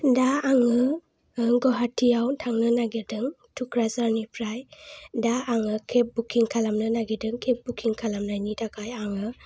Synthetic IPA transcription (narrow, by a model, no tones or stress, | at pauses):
daːŋɯ | ɡɔɦatʰːijawtʰaŋnɯnaɡiɾdɯŋ | tʰukɾasaɾnipʰɾajdaaŋɯkʰep̚bukʰiŋkʰalamnɯnaɡidɯŋkʰep̚bukʰiŋkʰalamnajnitakʰajaŋɯ